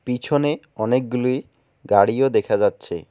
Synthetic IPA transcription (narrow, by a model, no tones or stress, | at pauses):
pit͡ɕʰone | ɔnek̚ɡuluj | ɡaɽiod̪ekʰad͡ʑatːɕʰḛ